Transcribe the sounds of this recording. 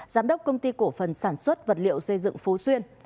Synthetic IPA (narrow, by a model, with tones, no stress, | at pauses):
zaː˨˦mɗə˦˥wk͡p̚kːə˧wŋ͡mt̪i˧ko˧˩fə˨˩nsaː˧˩nswə˦˥t̚və˨˩t̚lḭ˧˨əwsə˧jzɨ̰˧˨ŋfu˨˦swi˧ən